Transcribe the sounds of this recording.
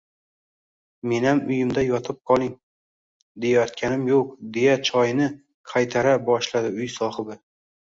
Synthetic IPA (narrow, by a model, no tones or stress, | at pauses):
me̞namʊjɪmd̪ajɒt̪ʰɪp̚qʰɒlˠɪŋ | d̪e̞jajɒt̪̚kʲʰanɪmjoq̚d̪e̞jat͡ʃʰɒjnɪ | qʰajt̪ʰaɾabɒʃlad̪ɪʊjsɒhɨbɪ